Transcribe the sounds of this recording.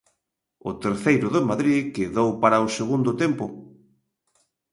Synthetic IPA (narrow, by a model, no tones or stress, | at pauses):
ʊ̰t̪eɾθejɾʊðɪmaðɾikɪðowpaɾaʊseɣund̪ʊt̪empʊ